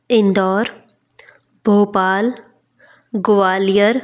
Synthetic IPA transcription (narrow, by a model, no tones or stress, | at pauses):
ɪ̃nd̪ɔːɾ | bʱoːpaːl | ɡʊʋaːlijəɾ